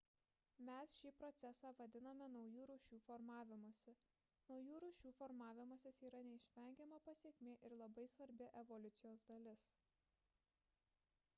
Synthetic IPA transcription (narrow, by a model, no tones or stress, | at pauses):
mʲɛsʃʲiːpɾɔt̪sʲɛsɑːʋɐd̪ʲɪnɐmʲɛnɒʊjuːɾuːʃʲuːfɔɾmɑːʋʲɪmoːsʲɛ | nɒʊjuːɾuːʃʲuːfɔɾmɑːʋʲɪmoːsʲɪsiːɾɐnʲɛɪʃʲʋʲɛˑŋʲɡʲɛmɐpɐsʲeːkʲmʲeːʔɪɾlˠɐbɐɪsʋɐɾʲbʲɪʔɛʋɔlʲʊt̪sʲɪjoːsd̪ɐlʲɪs